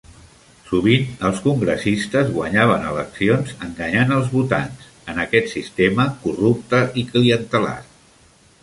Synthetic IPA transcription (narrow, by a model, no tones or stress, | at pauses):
suβ̞inəlˠskuŋɡɾəsist̪əzɣwəɲaβ̞ənələksionzəŋɡəɲanəlˠzβut̪ans | ənəkɛt̪sist̪eməkurup̚t̪əʔikliənt̪əla̰